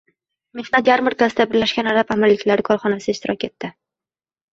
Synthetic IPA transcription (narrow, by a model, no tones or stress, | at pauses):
me̞hnat̪jaɾmɪɾɡʲasd̪abɪɾlaʃkʲanaɾapamɪɾlɪkʲlaɾɪkʰɒɾχɒnasɪɪʃt̪ɪɾʔɒkʲe̞t̪ʰːɪ